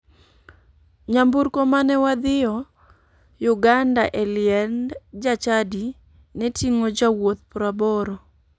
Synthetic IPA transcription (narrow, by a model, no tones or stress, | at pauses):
ɲambuɾkomanɛwad̪ɪɔ | jʊɡandaʔɛlɪɛnd͡ʒat͡ʃadi | nɛtʰiŋod͡ʒawot̪̚pɾabɔɾɔ